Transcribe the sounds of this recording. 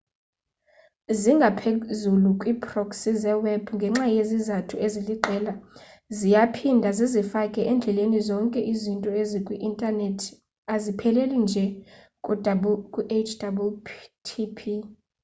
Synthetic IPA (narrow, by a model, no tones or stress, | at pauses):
ziŋɡʱapʰezulukʼwiːpʰʼrɔksizɛwɛbŋɡʱɛŋ͡ǁajezizatʰueziliǃʱɛːla | zijapʰindʱazizifakʼɛʔɛnd͡ɮʱɛlenizɔŋkʼɛʔizintʼɔezikʼwiʔintʼanetʰi̥ | azipʰɛlɛlind͡ʒʱɛ | kʼudabkʼuʔet͡ʃʰd̥abutʰipʰi